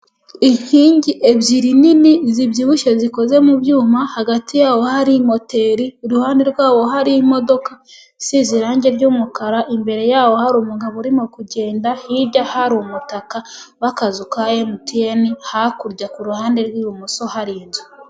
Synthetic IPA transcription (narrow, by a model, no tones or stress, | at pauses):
iɲiːɲɟiʔe̞βɟiɾininiziβɟiβuʃeziko̞ze̞mubjuːmahaɡatijaːwo̞haɾimo̞te̞ɾiuɾuhaːndeɾɡwaːwo̞ɦaɾimo̞do̞ka | siziɾaːɲɟe̞ɾɟuːmukaɾaʔimbe̞ɾe̞jaːwo̞haɾuːmuɡaβoɾimokuɟe̞ːndahiɟahaɾumutakawakazukajemutienihakuɾɟakuɾuhaːndeɾɡwiːumuso̞haɾiːnzu